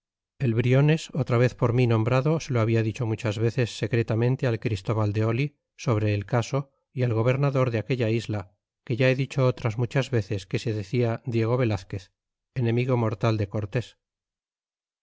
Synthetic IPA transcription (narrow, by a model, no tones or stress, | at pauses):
e̞lβɾio̞ne̞so̞t̪ɾaβ̞e̞θpo̞ɾminõ̞mbɾaðoseloaβ̞iaðit͡ʃo̞mut͡ʃazβe̞θe̞sːe̞kɾe̞t̪amẽnt̪e̞alkɾist̪o̞βald̪e̞o̞li | so̞β̞ɾe̞ːlkaso̞ | ialɣo̞β̞e̞ɾnaðo̞ɾðeake̞ʎaizla | ke̞ʝae̞ðit͡ʃo̞ot̪ɾazmut͡ʃazβe̞θe̞ske̞se̞ðeθiad̪je̞ɣ̞o̞βe̞laθke̞θ | enẽ̞miɣ̞o̞mo̞ɾt̪ald̪e̞ko̞ɾt̪e̞s